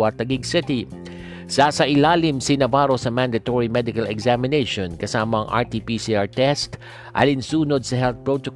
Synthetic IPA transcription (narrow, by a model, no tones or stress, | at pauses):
at̪ɐɡiɡsɪt̪i | sasɐʔɪlaːlɪmsinɐvaɾosɐmãnd̪ɐt̪oɹimɛd̪ɪkɐlɛɡzamɪnejʃonkɐsaːmɐɐŋʔa̰ɹt̪iːpisiaɹt̪ɛst̪ | ʔɐ̰t̪ɪnsuːnod̪̚sɐɦɛlθ̚pɹot̪ok